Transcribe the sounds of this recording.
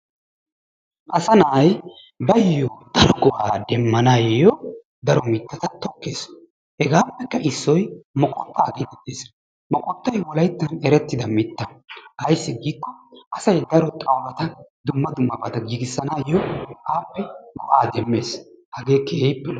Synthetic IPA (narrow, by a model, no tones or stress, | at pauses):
ʔɐsɐnaːj | bɐjjod̪̥ɐɾɔɡʼɔʔaːd̪ɛmːɐnajɔ | d̪ɐɾɔmɪt̪ːɐt̪ɐt̪ɔkːeːs | hɛɡaːpːɛkːɐʔɪsːɔjmɔkʼɔ̰t̪ʼːaːɡɛd̪ɛd̪eːs | mɔkʼɔt̪ːɐjwɔlɐjt̪ːɐnɛɾɛt̪ːɪd̪ɐmɪt̪ːɐʔɐjsːɪɡiːkːɔʔɐsɐjd̪ɐɾɔt̪ʼɐwɾɐt̪ɐd̪ʊmːɐd̪ʊmːɐbɐt̪ɐɡiɡɪsːɐnaːjɔʔaːpːɛmɔ̰ʔaːd̪ɛmːe̞ːshɐɡe̞ːkʰeːjpːɛl